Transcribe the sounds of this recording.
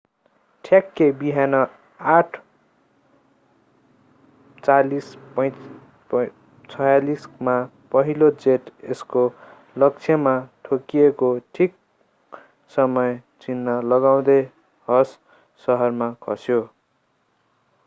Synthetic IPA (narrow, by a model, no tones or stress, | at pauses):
ʈʰjakːebiɦanʌ | aʈʰ | t͡salispʌj̃ | t͡sʰʌjalisma | pʌɦilod͡zeʈesko | lʌk̚t͡sʰjʌmaʈʰokijekoʈʰik̚ | sʌmʌjt͡sinːʌlʌɡaw̃d̪ʌj | hʌsː | ʌɦʌrmakʰʌsjo